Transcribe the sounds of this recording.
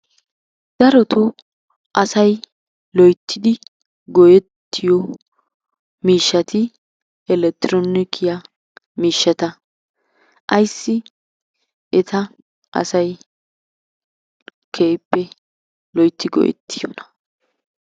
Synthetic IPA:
d̪̥ɐɾɔt̪ʰʊ | ʔɐsɐj | lɔjt̪ʰːɪd̪ɪ | ɡɔjɛt̪ːɪjɔ | miːʃːɐt̪ɪ | ɛlɛt̪ɪɾonɪkʰɪjɐ | miːʃːɐt̪ɐ | ʔɐjsːɪ | ɛt̪ɐ | ʔɐ̰sɐj | kʰeːpːɛ | lɔjt̪ːɪɡɔ̰jɛ̰t̪ːɪjo̰nɐ̥

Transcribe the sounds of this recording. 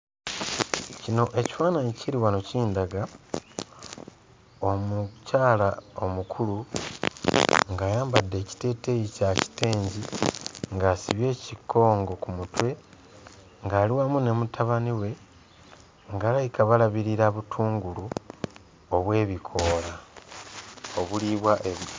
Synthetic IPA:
cino̞ʔe̞ci̥faːnaɲiciɾiwano̞ciːndaɡa | omucaːlao̞mukʰulu | ŋɡaːjaːmbadːe̞ːci̥te̞ːtejicaci̥te̞ːɲɟiŋɡaːsiβje̞ːciko̞ːŋɡo̞kumutwe̞ | ŋɡaːliwaːmune̞mutʰaβaniwe̞ | ŋɡaːlaikaβalaβiɾiɾaβutʰuːŋɡulu | oβwe̞ːβikʰo̞ːla | o̞βuliβwaʔeβ

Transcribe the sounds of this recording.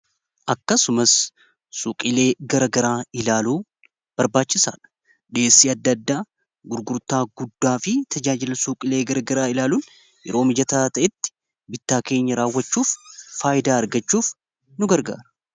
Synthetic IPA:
ʔɐkːɐsʊmɐs | sʊkʼɪle̞ːɡɐɾɐɡɐɾaːɪlaːluː | b̥ɐɾbaːt͡ʃːɪsa̰ːᶑɐ̥ | ᶑe̞ːsːiːɐd̪ːɐd̪ːaː | ɡʊɾɡʊɾt̪aːɡʊd̪ːaːfɪt̪ʰɐd͡ʒaːd͡ʒɪlɐsʊkʼɪle̞ːɡɐɾɐɡɐɾaːɪlaːluːn | jɛ̰ɾo̞ːmɪd͡ʒɐt̪aːt̪ɐʔɛt̪ːɪ̥ | bɪt̪ːaːke̞ːɲːɐɾaːwːɐt͡ʃːuːfːaːʔɪd̪aːɐɾɡɐt͡ʃːuːf | nʊɡɐɾɡa̰ːɾɐ̥

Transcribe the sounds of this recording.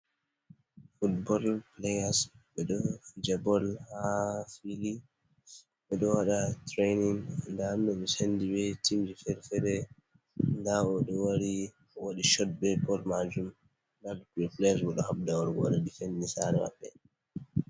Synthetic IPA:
futbɔlplɛjasɓɛɗɔfid͡ʒabɔlhafili | ɓɛɗɔwaɗatɾejniŋandamɗɔmɛsendibɛtʰimd͡ʒifɛɾfɛɾɛ | ndaɔɗɔwaɾi | woɗiʃɔd̚bɛpɔlmad͡ʒum | dadkiplɛswɔɗɔhabdawaɾɡɔ̰ɗɔdifɛnnisaɾɛ̰ma̰ɓːɛ̰

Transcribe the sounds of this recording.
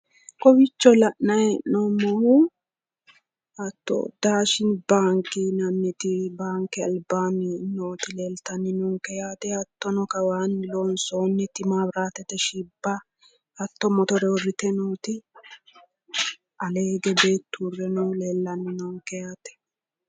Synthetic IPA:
kɔbɪt͡ʃːɔlɐʔnɐjɛʔnɔmɔhʊ | ɐt̪ːɔ̰d̪aːʃɪnbaːŋkɪnɐmːɪt̪ɪbaːŋkɛɐ̰lbaːnɪnoːt̪ɪleːlt̪ɐnːɪnɔŋkɛjaːt̪ɛɐt̪ːɔnɔkɐwaːnːɪlonsoːnːɛt̪ɪmaːbɾaːt̪ɛt̪ɛʃɪbːɐ | hɐt̪ːɔmɔt̪ɔɾɛwɔrːɪt̪ɛnoːt̪ɪ | ʔɐleːɡɛbe̞ːt̪ːʊrɛnuleːlːɐnːɪnɔŋkɛjaːt̪ɛ̥

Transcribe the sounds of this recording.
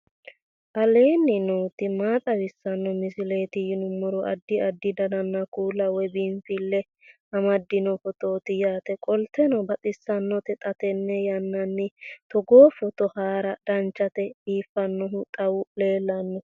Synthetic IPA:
ʔɐle̞ːnːɪnoːt̪ɪmaːt̪ʼɐwɪsːɐnːɔmɪsɪleːt̪ɪjɪnʊmːɔɾɔʔɐd̪ːɪɐd̪ːɪd̪ɐnɐnːɐkuːlːɐwɛbimfɪlːɛ | hɐmɐd̪ːɪnɔfɔt̪oːt̪ɪjaːt̪ɛkʼɔlt̪ɛnɔbɐt̪ʼɪsːɐnːɔt̪ɛt̪ʼɐt̪ɛnːɛjɐnːɐnːɪt̪ɔɡoːfɔt̪ɔhaːɾɐd̪̥ɐnt͡ʃːɐt̪ɛiːfːɐnːɔɦʊt̪ʼɐwʊle̞ːlːɐnːɔ

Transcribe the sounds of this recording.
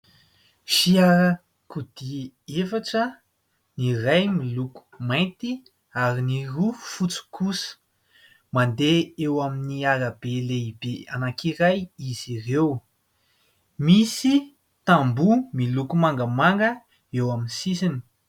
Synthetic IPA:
ʃiaɾə | kud̪̥i | efaʈ͡ʂə | nirajmiluku̥majnt̪i | aɾinirufut͡su̥kusə̥ | mand̪eewaminiaɾabeleibea̰nakiɾajizirew | misi | t̪ambumilukumaŋɡəmaŋɡə | ewaminsisini̥

